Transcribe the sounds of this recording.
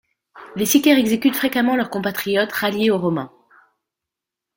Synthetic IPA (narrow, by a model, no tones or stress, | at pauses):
lesikʲɛʁɛɡzekʲyt̪fχekamɑ̃lœʁkɔ̃pat̪χijɔt̪ʁaljeoʁɔmɛ̃